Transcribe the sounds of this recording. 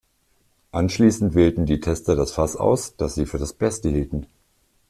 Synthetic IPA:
ʔanʃliːsn̩tv̥eːltn̩diːtʰɛstɐdasfasʔa̰ʊsd̥asz̥iːfyːɐdasb̥ɛstəhiːltn̩

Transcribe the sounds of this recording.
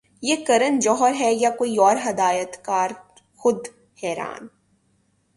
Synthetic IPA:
jeːkɐɾənd͡ʒɔːɦəɾɦɛjakoːiɔːɾɦɐd̪aːjət̪kaːɾ | xʊd̪ | hɛːɾa̰ːn

